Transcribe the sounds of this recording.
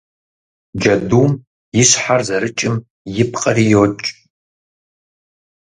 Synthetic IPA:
d͡ʒɐduːm | jɪɕħarzɐɾɨt͡ʃʼɪm | jɪpqʼɐrijot͡ʃʼ

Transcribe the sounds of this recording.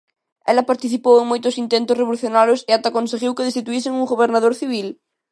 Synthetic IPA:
ɛlapaɾt̪iθipoweŋmojt̪osint̪ent̪osreβoluθjonaɾjoseat̪akonseɣiwkeðest̪it̪uiseŋuŋɡoβeɾnaðoɾθiβ̞il

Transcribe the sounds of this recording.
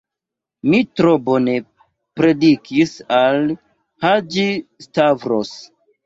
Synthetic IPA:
mitɾobo̞ne̞ | pɾe̞dikisal | had͡ʒistavɾos

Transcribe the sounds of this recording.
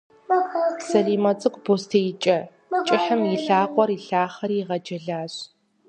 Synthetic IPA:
sɐɮiːmɐt͡sʼɨkʷʼboːstʰɐjɪt͡ʃʼɐ | t͡ʃʼɪħɨmjɪɬaːqʷʼɔriɬaːχɐɾiːʁɐd͡ʒɐɮaːɕ

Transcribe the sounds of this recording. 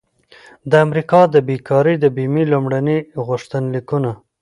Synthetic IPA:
d̪əamɾikɑd̪əbekɑɾid̪əbimilumɽaniɣʊʂt̪ənlikuna

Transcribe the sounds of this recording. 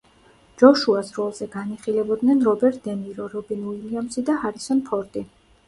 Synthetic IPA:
d͡ʒɔʃuasɾɔlˠzɛɡaniχilɛbɔd̪nɛnɾɔbɛɾt̪̚ʰd̪ɛmiɾɔɾɔbinuiliamsid̪ahaɾisɔnpʰɔɾt̪ʼi

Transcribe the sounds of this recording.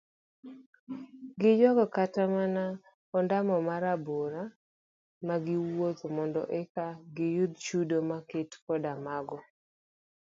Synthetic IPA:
ɡɪd͡ʒɔɡɔkatamana | ɔndamɔmaɾaboɾa | maɡɪwot̪omɔndɔ̰ʔɛkaɡɪjʊd̪̚t͡ʃudomaketkɔdamaɡɔ

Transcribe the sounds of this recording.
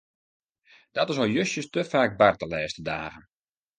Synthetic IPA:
d̥ɔtɪsojøsjəstəfaːk̚bartəlɛːstədaːɣən

